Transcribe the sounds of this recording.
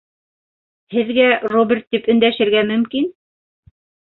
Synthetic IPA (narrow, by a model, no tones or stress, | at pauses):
hɘ̆ðɡærobʲɪrt̪ːipɵ̆nd̪æʃɘ̆ɾɡæmɵ̆mkin